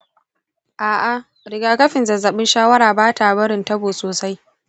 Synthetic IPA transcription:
ʔaː˨ʔa˨ | ɾɪ˨ɡaː˦kɐ˦ɸɪ˨nzɐ˨zɐ˨ɓɪ˦nʃaː˦wɐ˦ɾaː˨baː˦ta˨bɐ˦ɽɪ˨ntɐ˦boː˨soː˨sa˦j

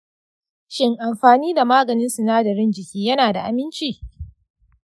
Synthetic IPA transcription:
ʃɪ˦ŋʔa˨mɸaː˨niː˦da˨maː˦ɡɐ˨nɪ˦nsʊ˨naː˦dɐ˨ɽɪ˦nd͡ʒɪ˨kʲiː˦jɐ˦naː˨da˨ʔa̰˨mɪ˦nt͡ʃiː˦˨

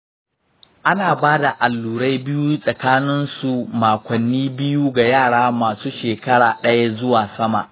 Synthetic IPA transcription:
ʔa˦naː˨baː˦da˨ʔa˨lːuː˨ɽa˦jbɪ˦ju˦sʼɐ˨kaː˦nɪ˦nsu˨maː˨kʷɐ˨nːiː˦bɪ˦juː˦ɡa˨jaː˦˨ɽaː˦maː˨suː˦ʃeː˨kɐ˦ɽa̰ː˨ɗɐ˦ja˦zʊ˦waː˨sɐ˦ma̰˨ʔ

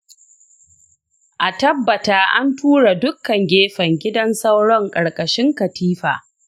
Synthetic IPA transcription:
ʔa˨tɐ˦bːɐ˨taː˨ʔa̰˦ntuː˦ɽa˨dʊ˦kːɐ˨ŋɡʲeː˦ɸɐ˨ŋɡʲɪ˦dɐ˦nsa˦wɽɔ˦ŋkʼɐ˨ɽkʼɐ˨ʃɪ˦ŋkɐ˨tiː˦ɸa̰ː˨

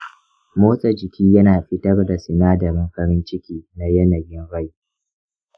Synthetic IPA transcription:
moː˦sʼɐ˨d͡ʒɪ˨kʲiː˦jɐ˦naː˨ɸɪ˦tɐ˦rda˨sɪ˨naː˦dɐ˨ɾɪ˦ŋkɐ˦ɾɪ˦nt͡ʃɪ˦kʲiː˦na˦jɐ˦nɐ˨jɪ˦nɽa˦˨j

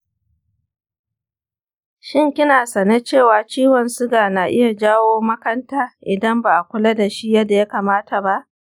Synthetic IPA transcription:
ʃɪ˦ŋkʲɪ˦naː˨sɐ˨ne˦t͡ʃeː˦˨waː˨t͡ʃiː˦wɔ˨nsʊ˦ɡaː˨naː˨ʔɪ̰˦ja˨d͡ʒaː˦woː˦mɐ˦kɐ˦ntaː˦ʔɪ˨dɐ˦mba˨ʔa˨kʷʊ˦lɐ˦da˨ʃi˦jɐ˦da˨ja˦kaː˨maː˦tʰa˨ba˦ʔ

